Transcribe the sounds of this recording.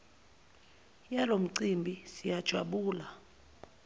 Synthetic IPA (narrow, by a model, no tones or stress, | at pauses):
jalom̩ǀimbʱisijad̥ʒ̥ʱwaɓuːla